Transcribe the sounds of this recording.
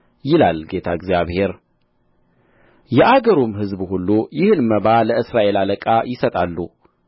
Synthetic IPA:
jɪlalɡe̞t̪ʰaɪɡzjaβhe̞ɾ | jɛʔaɡəɾomɦɨzbhulːujɪhɨnməβaləʔɨsɾaʔe̞laləkʼajɪsət̪ʼalːu

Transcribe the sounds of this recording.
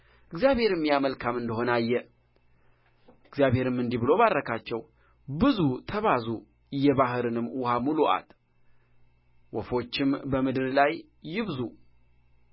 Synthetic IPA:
ʔɨɡzijaβhe̞ɾɨmːjaməlkʰamɨnd̪əɦo̞najːɛ | ɨɡzjaβhe̞ɾɨmːɨnd̪iβɨlo̞βarːəkʰat͡ʃːɛw | bɨzut̪ʰəβazu | jɛβaɦɨɾɨnɨmːwʊhamuluʔa̰t̪ | wɔfo̞t͡ʃːɪmbəmɨd̪ɨɾlajː | ɪβzu

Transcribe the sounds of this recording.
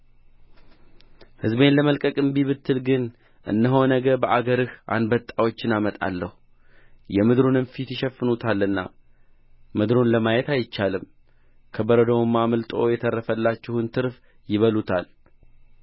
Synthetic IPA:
hɨzbe̞nləməlkʼəkʼɨmbiβɨt̪ʰːɨlɡɨn | ʔɨ̰nːəɦo̞nəɡəbəʔaɡəɾɨha̰nbət̪ʼːawo̞t͡ʃːɪnamət̪ʼa̰lːəhu | jɛmɨd̪ɾunɨnfit̪jɪʃɛfːɨnut̪ʰalːɨnːa̰ | mɨd̪ɾunləmajɛt̪ajɪt͡ʃːalɨm | kʰəbəɾəd̪əwmamɨlt̪ʼo̞̰jɛt̪ʰərːəfəlːat͡ʃːɪhɨnt̪ʰɨɾf | jɪβəlut̪ʰal

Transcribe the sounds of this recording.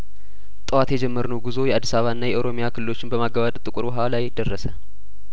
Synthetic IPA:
t̪ʼəwat̪jɛd͡ʒɛmːəɾnəwɡuzo̞jɛʔad̪ːi̥saβaɨnːajɛʔoɾo̞mijakʰɨlɨlo̞t͡ʃːɪnbəmaɡːəβat̪ʼt̪ʼɨkʼʊɾbəɦwalajd̪ərːəsə

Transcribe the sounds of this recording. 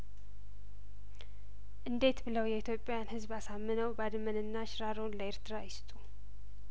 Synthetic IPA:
ʔɨnd̪e̞t̪bɨləwjɛit̪ʰjo̞pʼːjanhɨzβasamːɨnəwbad̪mənɨnːaʃɾaɾonləeɾt̪ʰɨɾajɪst̪ʼu

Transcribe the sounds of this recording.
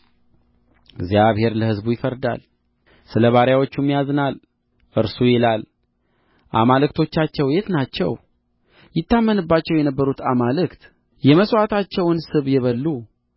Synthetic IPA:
ɪɡzjaβhe̞ɾləhɨzbujɪfəɾd̪a̰l | sɨləβaɾjawo̞t͡ʃːumijazɨnal | ʔɨɾsujɛlal | ʔa̰malɨkt̪ʰo̞t͡ʃːat͡ʃːɛwjet̪nat͡ʃːɛ̰w | jɪt̪ːamːənɨbːat͡ʃːɛwjɛnəbːəɾut̪amalɨkt̪ | jɛməswat̪ʰat͡ʃːɛwɨnsɨβjɛβəlːu

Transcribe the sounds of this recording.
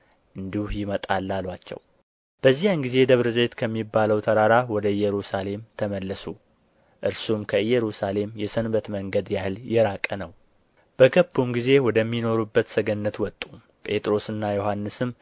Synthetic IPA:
ʔɨnd̪ihujɪmət̪ʼalːalwat͡ʃːɛ̰w | b̥əzːijanɡize̞d̪əβɾɨze̞t̪kʰəmːibːaləwt̪ʰəɾaɾawɔd̪əjːɛɾusale̞mt̪ʰəməlːəsu | ʔɨɾsumkʰəɨjɛɾusale̞mjɛsənbət̪məŋɡəd̪jahɨljɛɾakʼːənəw | b̥əɡəbːumɡize̞wɔd̪əmːino̞ɾubːət̪səɡənːət̪wɔt̪ʼːu | pʼe̞t̪ʼɾo̞sɨnːajo̞ɦanːɨsɨm

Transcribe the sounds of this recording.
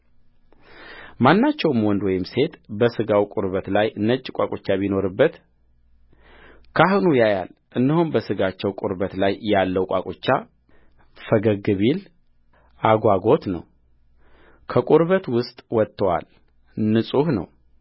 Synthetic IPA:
manːat͡ʃːɛwmwɔnd̪wɔjɪmse̞t̪bəsɨɡawkʼʊɾβət̪lajʔɨnːət͡ʃʼːɪkʷʼakʼot͡ʃːaβino̞ɾɨbːət̪ | kʰahnujaja̰lʔɨnːəhunbəsɨɡat͡ʃːɛwkʼʊɾbət̪lajːalːəwkʷʼa̰kʼot͡ʃːa | fəɡəɡɨβil | ʔaɡʷaɡo̞t̪nə̰w | kʰəkʼuɾβət̪wʊst̪ʼwɔt̪ːəwa̰l | nɨsʼuhnə̰w

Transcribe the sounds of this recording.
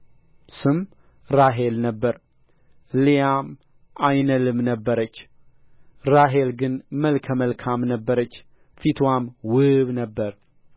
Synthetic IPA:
sɨm | ɾaɦe̞lnəbːəɾ | lijam | ʔajnəlɨmnəbːəɾət͡ʃː | ɾaɦelɡɨnməlkʰəməlkʰamnəbːəɾət͡ʃː | fit̪ʰwamwɨβnəbːəɾ

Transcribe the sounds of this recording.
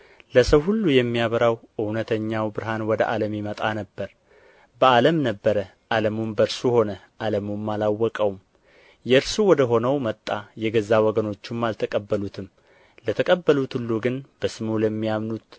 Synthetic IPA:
ləsəwhulːujɛmːijaβəɾawʔɨwnət̪ʰəɲːawbɨɾɦanwɔd̪əʔaləmjimət̪ʼanəbːəɾ | bəaləmnəbːəɾə | ʔaləmumbəɾsuho̞nə | ʔaləmumːalawːɔkʼəwm | jɛɨɾsuwɔd̪əɦo̞nəwmət̪ʼːajɛɡəzawɔɡəno̞t͡ʃːumːalt̪ʰəkʼəbːəlut̪ʰɨm | lət̪ʰəkʼəbːəlut̪hulːuɡɨnb̥əsɨmuləmːijamnut̪

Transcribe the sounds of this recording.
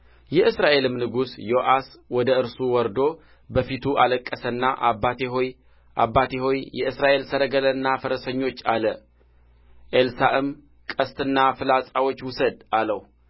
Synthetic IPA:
jɛʔɨsɾaʔe̞lɨmnɨɡusjo̞ʔaswɔd̪əɨɾsuwɔɾd̪o̞ | bəfit̪ʰuʔaləkʼːəsənːaʔabːat̪eɦoj | ʔa̰bːat̪eho̞jjɛɨsɾaʔe̞lsəɾəɡələɨnːafəɾəsəɲːo̞t͡ʃːalə | ʔelsaʔɨm | kʼəst̪ʰɨnːafɨlasʼawot͡ʃːwʊsəd̪ʔaləhu

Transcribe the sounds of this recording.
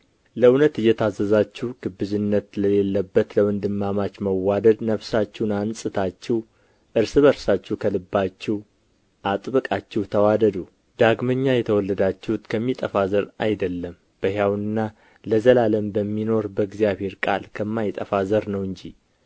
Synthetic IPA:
ləwnət̪ɨjːɛt̪ʰazːəzat͡ʃːɛwɡ̥ɨbːɨzɨnːət̪ləle̞lːəbːət̪ləwɨnd̪ɨmːamat͡ʃməwːad̪əd̪nəβsat͡ʃːɛwnansʼɨt̪ʰat͡ʃːɛw | ʔɨɾsɨβəɾsat͡ʃːukʰəlɨbːat͡ʃːɛw | ʔat̪ʼbɨkʼat͡ʃːɛwt̪ʰəwad̪əd̪u | d̪̥aɡməɲːajɛt̪ʰəwɔlːəd̪at͡ʃːɛhut̪kʰəmːit̪ʼəfazəɾa̰jd̪əlːəm | b̥əɦjawnɨnːa | ləzəlaləmbəmːino̞ɾbəɡzijaβhe̞ɾkʼalkʰəmːajɪt̪ʼəfazəɾnəwɨɲd͡ʒi

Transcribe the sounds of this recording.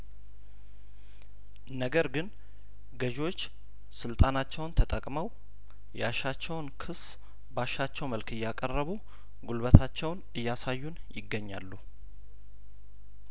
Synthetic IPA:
nəɡəɾɡɨn | ɡəʒo̞t͡ʃː | sɨlt̪ʼanat͡ʃːɛwnt̪ʰət̪ʼəkʼməw | jɛaʃat͡ʃːɛwnkʰɨs | baʃat͡ʃːɛwməlkɨjːakʼərːəβu | ɡulβət̪ʰat͡ʃːɛwnɨjːasajːunjɪɡːəɲːa̰lːu

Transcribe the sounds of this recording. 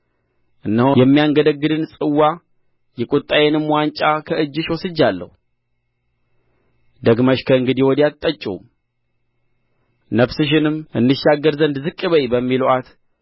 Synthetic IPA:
ʔɨnːəhjɛmːijaŋɡəd̪əɡːɨd̪ɨnsʼɨwːa | jɛkʼut̪ʼːajɛnɨmwant͡ʃʼakʰəɨd͡ʒːɨʃwɔsɨd͡ʒːalːə̰hu | d̪əɡməʃkʰəɨŋɡɨd̪iwɔd̪iat̪ʼːət͡ʃʼṵm | nəβsɨʃ̬ɪnɨmʔɨnːɨʃːaɡəɾzənd̪zɨkʼːɨβəjbəmːiluʔat̪

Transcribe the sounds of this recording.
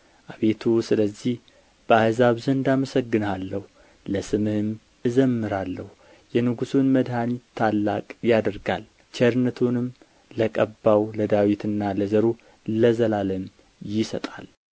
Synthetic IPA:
ʔaβe̞t̪ʰusɨləzːih | b̥əahzaβzənd̪aməsəɡːɨnalːəhu | ləsɨmɨhɨm | ɨzəmːɨɾalːəhu | jɛnɨɡusunməd̪hanit̪ʰːalːakʼjad̪əɾɡal | t͡ʃʰɛɾnət̪ʰunɨm | ləkʼəbːawləd̪awit̪ɨnːaləzəɾu | ləzəlaləm | jɪsət̪ʼa̰l

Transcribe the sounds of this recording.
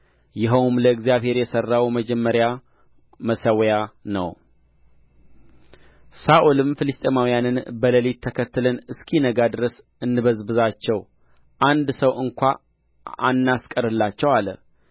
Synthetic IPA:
jɪɦəwmləɨɡzijaβhe̞ɾjɛsərːawməd͡ʒɛmːəɾja | məsəwjanə̰w | saʔulɨmfɨlɨst̪ʼemawijanɨnbələlit̪ʰːəkʰət̪ːɨlənɨskʰinəɡad̪ɨɾəs | ɨnːɨβəzbɨzat͡ʃːɛw | ʔand̪səwɨŋkʷa | ʔanːaskʼəɾɨlːat͡ʃːɛwalə̰

